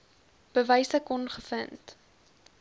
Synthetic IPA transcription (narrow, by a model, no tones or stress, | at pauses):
b̥əvɛjsəkɔnχəfənt